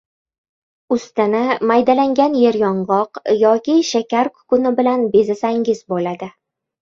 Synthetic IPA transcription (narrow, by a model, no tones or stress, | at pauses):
ʊst̪ɪnɪmajd̪alaŋɡʲanjeɾjɒɴʁɒqjɒkʲiʃakʲaɾkʰʊ̥kʊnɪbɪlanbezasaŋɡɪzbolad̪ɪ